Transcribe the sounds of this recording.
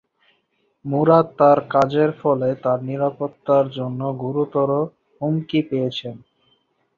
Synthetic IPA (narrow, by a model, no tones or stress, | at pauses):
muɾad̪ːaɾkad͡ʑeɾfɔlet̪aɾniɾapot̪ːaɾd͡ʑonːoɡuɾut̪ɔɾo | ɦumkipejet͡ɕʰen